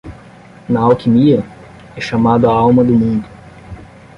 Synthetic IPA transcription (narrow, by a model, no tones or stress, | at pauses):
nɐawkimiɐ | ɛʃamad̪ʊaawmɐd̪ʊmũnd̪ʊ